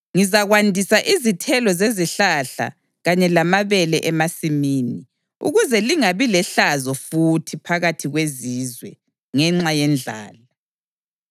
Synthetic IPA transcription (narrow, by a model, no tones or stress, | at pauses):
ŋizaɣwandʱisaʔizitʰɛlɔzeziɬaɬa̰ | ɣaɲɛlamaβɛlɛʔɛmasimiːni | ṵɣuzɛliŋaβilɛɬazɔfutʰipʰaɣatʰiɣweziːzwɛ̰ | ŋɛŋ͡ǁajɛnd͡ɮʱa̰ːla